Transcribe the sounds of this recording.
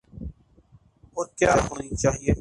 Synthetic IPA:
oːkjaːɦoːnit͡ʃaːɦieː

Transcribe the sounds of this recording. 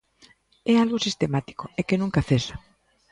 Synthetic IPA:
ealɣosist̪emat̪i̥koekenũŋkaθesa

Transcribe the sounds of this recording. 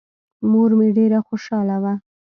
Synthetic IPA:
moɾmeɖeɾaxoʃɑlawa

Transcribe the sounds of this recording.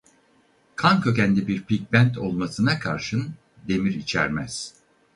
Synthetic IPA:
kʰankʰø̞cænd̪ɛbiɾpʰic̚bænt̪ʰo̞lˠmasɯnakʰaɾʃɯn | d̪e̞miɾit͡ʃʰæ̰ɾmæz̥

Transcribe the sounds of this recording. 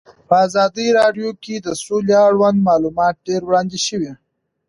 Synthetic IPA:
pəazɑd̪əɾɑɖjoked̪əsoleaɽwand̪mɑlumɑt̪̚ɖeɾwɽɑnd̪eʃəwi

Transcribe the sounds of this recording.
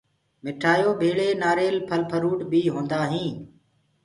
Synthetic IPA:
mɪʈʰaːjoːbʱeːɭeːnaːɾeːlpʰəlpʰəɾuːʈbʱiːɦõːnd̪aːɦĩː

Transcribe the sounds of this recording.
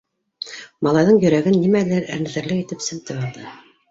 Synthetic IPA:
mɑlˠɑjðɤɴjɵ̆ɾæɡɘnːimælæɾæ̰ɾnɘ̆ðɘ̆ɾlɘkit̪ɘpsɘ̆mt̪ɘɑlˠd̪ɤ

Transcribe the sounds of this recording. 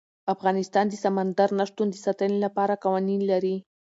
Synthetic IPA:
afɣɑnɪst̪ɑnd̪əsamand̪aɾnaʂt̪und̪esat̪ənelapɑɾakawaninlaɾi

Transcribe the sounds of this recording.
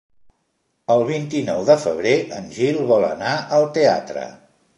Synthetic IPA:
əlˠβ̞int̪inɔwðəfəβ̞ɾeʔənʲʒilˠβɔlə̰naʔəlˠt̪ea̰t̪ɾə̰

